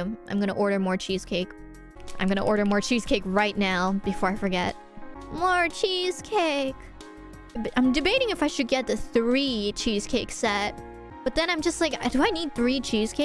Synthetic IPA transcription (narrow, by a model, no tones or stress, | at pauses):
mãɪ̃mɡʌñə̰ʔɔɹɾə˞mɔɹt͡ʃʰiz̥kʰeɪk | ʔã̰ɪ̃mɡʌnə̰ʔɔɹɾə˞mɔɹt͡ʃʰiz̥kʰeɪkɹaɪtⁿnaʊb̥ɨfɔɹaɪfə˞ɡɛ̰t̚ | mɔɹt͡ʃʰiz̥kʰeɪk | bãɪ̃mdɨbeɪɾɪ̃ŋɨfaɪʃɨd̚ɡɛt̪̚ðɨθɹit͡ʃʰiz̥kʰeɪksɛt̚ | b̥ʌt̪̚ðɨ̃ñãɪ̃md͡ʒʌst̚ˡlaɪkdɨaɪnid̪̚θɹit͡ʃʰiz̥kʰeɪ